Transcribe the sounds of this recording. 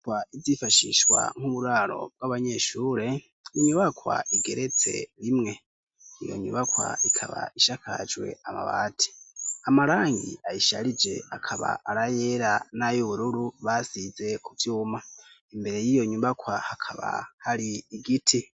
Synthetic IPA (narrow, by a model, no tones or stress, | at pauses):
waizjifaʃiʃwa̰ŋ̥uβuɾaːɾo̞̰b̚ɡwaβaɲe̞ʃuːɾe̞ | iɲuβakwa̰ʔiɡe̞ɾe̞t͡se̞̰ɾimŋe̞ | ijo̰ɲṵβakwa̰ikʰaβa̰iʃakʰa̰d͡ʒwe̞̰ama̰βa̰ːtʰi̥amaɾaːŋɡḭʔajiʃaɾid͡ʒe̞akʰaβa̰ʔːɾajeɾanajoβuɾuɾuβasize̞kʰuvjuːmaimbe̞ɾe̞jijo̞ɲubakwahakʰaβa̰haɾiːɡitʰi